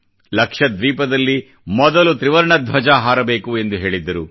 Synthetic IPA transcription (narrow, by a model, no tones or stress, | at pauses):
lɐkʂɐd̪ʋiːpɐd̪ɐlːi | mɔd̪ɐlut̪ɾiʋɐɾɳɐd̪ʱʋɐd͡ʒaːɦaːɾɐbeːkue̞nd̪uɦe̞ːɭid̪ːɐɾu